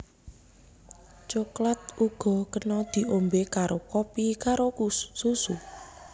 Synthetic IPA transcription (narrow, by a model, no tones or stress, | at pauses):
t͡ʃoklat̪̚uɡ̥ɔ̤kənɔd̪̥i̤ʔombekaɾokɔpikaɾo̥susu